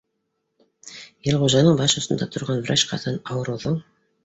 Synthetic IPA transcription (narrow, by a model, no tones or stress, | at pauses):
jelʲʁoʒɑnəɴbɑʃʊst̪ə̆nd̪ɑt̪ʰʊɾʁɑnvɾat͡ʃqʰɑ̰t̪ɑnɑwɾoðəɴ